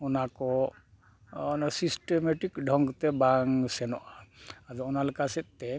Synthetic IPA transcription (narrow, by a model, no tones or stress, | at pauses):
ɔnakɔ | sisʈemɛʈikɖʱɔŋɡt̪ɛbaŋsɛnɔʔaad͡ʒɔɔnalkasɛt̪̚t̪ɛ